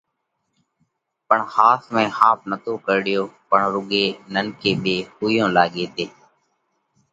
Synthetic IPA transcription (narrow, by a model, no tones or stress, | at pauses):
pəɳhaːsmẽːhaːp̚nət̪oːkəɾɽɪjoːpəɳɾʊɠeːnənkeːɓeːhuːjõːlaːɠeːt̪eː